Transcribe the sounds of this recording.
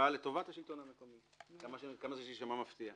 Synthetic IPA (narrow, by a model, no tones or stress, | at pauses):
ale̞to̞vat̪haʃilt̪o̞nhame̞ko̞mi | kamaʃkamazeʃʃamamaft̪ia